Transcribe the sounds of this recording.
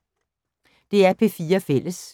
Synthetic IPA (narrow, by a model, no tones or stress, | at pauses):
d̪̥e̝æɐpʰeːfiːɐfel̰ʔəs